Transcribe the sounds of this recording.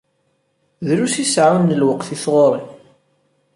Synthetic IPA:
ðɾusisʕunːəlwəqθiθʁoɾˤi

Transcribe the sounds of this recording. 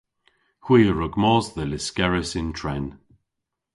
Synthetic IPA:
kʰwiːəɹʊɡmɔːzðəlɪskɛɹəsɪntʰɹɛn

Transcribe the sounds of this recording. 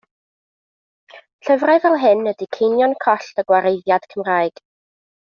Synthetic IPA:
ɬəvraɨvɛlˠɦɪnːədikʰejnjɔnkʰɔɬtəɡwaɾejðjad̥kʰəmraːɨɡ̥

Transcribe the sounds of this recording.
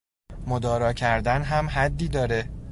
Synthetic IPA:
mod̪ɒːɾɒːcʰæɾd̪ænɦæmɦæd̪ːiːd̪ɒːɾe

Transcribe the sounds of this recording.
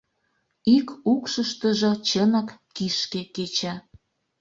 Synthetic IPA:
ikukʃəʃt̪əʒɤ̆t͡ɕənɑkːiʃkeket͡ɕa

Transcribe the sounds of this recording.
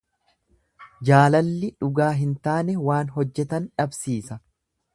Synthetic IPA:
d͡ʒaːlɐlːɪᶑʊɡaːɦɪnt̪aːnɛwaːnɦɔd͡ʒːɛt̪ɐnᶑɐbsiːsɐ

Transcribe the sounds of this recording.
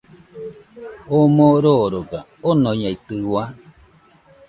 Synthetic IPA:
omoɾoɾoɡa | onoɲait̪ɯwa

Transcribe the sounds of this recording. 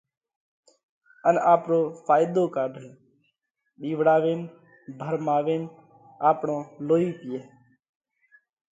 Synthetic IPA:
ənaːpɾoːfʰaːjd̪oːkaːɖʱəl | ɓiːʋɽaːʋeːn | bʱəɾmaːʋeːn | aːpɳõːloːiːpɪjeː

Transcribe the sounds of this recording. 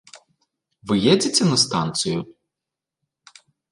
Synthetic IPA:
ʋɪjɛd͡zʲɪt͡sʲɐnɐst̪ɑnt̪sɨjʊ

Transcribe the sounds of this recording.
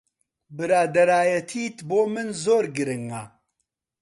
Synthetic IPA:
bɨɾaːd̪ɐɾaːjɐt̪ʰiːt̪boːmɨnzoːɾɡɨɾɨŋa

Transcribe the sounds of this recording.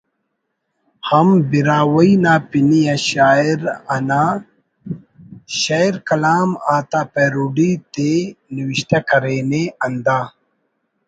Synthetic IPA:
hɐmbiɾaːwɐinaːpinijaɕaːiɾɐna | ɕɐiɾkɐlaːmaːt̪aːpeɾuɖit̪eniwiɕt̪ɐkɐɾeːneɐnd̪aː

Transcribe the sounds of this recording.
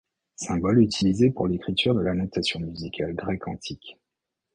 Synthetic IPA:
sɛ̃bɔlyt̪ʰilizepuʁlekχit̪ʰyʁd̪əlanat̪asjɔ̃myzikʲʰalɡʁɛkʰɑ̰̃t̪ʰik

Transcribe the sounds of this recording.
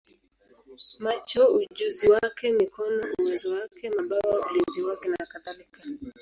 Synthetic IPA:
mat͡ʃɔud͡ʒuziwakɛmikɔnɔuwɛzɔwakɛmaɓawaṵlinziwakɛnaakaðalika

